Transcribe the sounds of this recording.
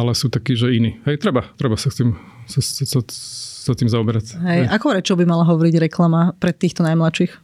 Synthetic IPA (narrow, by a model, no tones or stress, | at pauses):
alɛsuːt̪akiːʒɛiniːɦɛjt̪ɾɛbat̪ɾɛbasaxt̪iːm | sasasat̪iːmzaɔbɛɾacɦɛjʔakɔpɾɛt͡ʃɔʊbimalaɦɔʋɔɾiɟɾɛklamapɾɛt̪iːxt̪ɔnajmlat͡ʃiːx